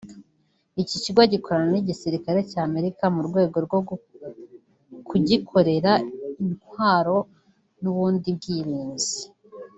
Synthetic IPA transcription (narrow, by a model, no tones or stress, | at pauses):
iciciɡwaɟiko̞ɾananiɟisiɾikaɾe̞caːme̞ɾikamuɾɡwe̞ːɡo̞ɾɡwo | kʰuɟikʰo̞ɾe̞ɾainwaːɾo̞ | nuβuːndib̚ɡiːɾiːnzi